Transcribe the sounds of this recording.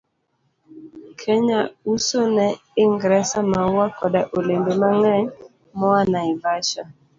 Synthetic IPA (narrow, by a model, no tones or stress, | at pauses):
kʰɛɲausonɛ | ɪŋɡɾɛsamauwakɔdaʔolembemaŋɛɲ | mɔanaibaʃa